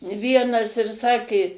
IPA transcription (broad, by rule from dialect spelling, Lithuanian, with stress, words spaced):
ˈʋʲiɛnɐs ɪr ˈsɑːkʲeː